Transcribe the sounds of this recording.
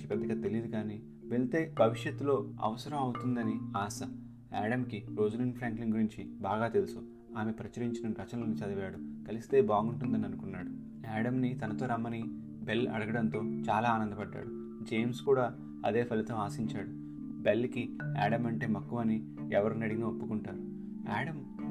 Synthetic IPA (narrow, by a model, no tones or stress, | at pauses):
ipɛd̪ːɐɡaːt̪e̞lijd̪ikaːni | ʋelt̪e̞ːbʱɐʋiʂjɐt̪ːulo̞ːɐ̰ʋɐsɐɾɐmɐwut̪und̪ɐniaːsɐ | a̰ːɽɐmkiɾo̞ːd͡ʒulinpʰɾaːŋkliŋɡuɾiɲt͡ʃibaːɡaːt̪e̞lusu | aːme̞pɾɐt͡ʃɐɾiɲt͡ʃinɐmɾɐt͡ʃɐnɐlɐnit͡ʃɐd̪ɐʋaːɽukɐlist̪e̞ːbaːɡuɳʈund̪ɐniɐnukunːaːɽu | aːɽɐmnit̪ɐnɐt̪o̞ːɾɐmːɐni | be̞lɐ̰ɽɐɡɐɽɐnt̪o̞ːt͡ʃaːlaːaːnɐnd̪ɐpɐɖːa̰ːɽu | d͡ʒeːmskuːɽaː | ɐ̰d̪e̞ːpʰɐlit̪ɐmaːsiɲt͡ʃaːɽu | belːkia̰ːɽɐmɐɳʈe̞ːmɐkːuʋɐni | ɛʋɐɾunɐɽiŋɡaːopːukuɳʈaːɾu | aːɽɐm